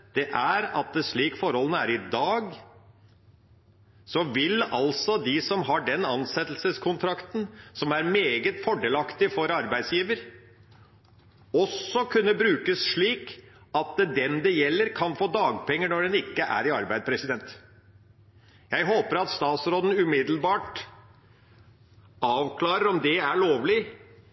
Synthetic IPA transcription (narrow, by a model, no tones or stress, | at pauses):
d̪̥ɛʔæɾɑt̪̚d̪ɛʂɭiːkfɔɾhɔlənəæɾɪd̪ɑːɡ | sɔʋɪlɑlsɔd̪ɪsɔmɦɑɖɛnɑnsɛt̪l̩səskʰʊnt̪ʰɾɑkt̪n̩sɔmæɾmeːɡət̪fɔɖeːlɑkt̪ɪfɔɾɑɾbæɪd̪sjiːʋəɾ | ɔsːɔkʰʉnːəbɾʉːkəsʂɭiːkɑt̪d̪ɛnd̪ɛjɛlːəɾkʰɑnfoːd̪ɑːɡpʰɛŋːəɳɔɖɛnɪkːəʔæ̰ɾɪɑɾbæɪd̪pʰɾɛsɪd̪ɛnt̪ | jæɪɦoːpəɾɑt̪st̪ɑːt̪sɾoːd̪n̩ʉmɪd̪l̩bɑːʈ | ɑːʋkʰlɑːɾəɾɔmd̪ɛæɭoːʋlɪ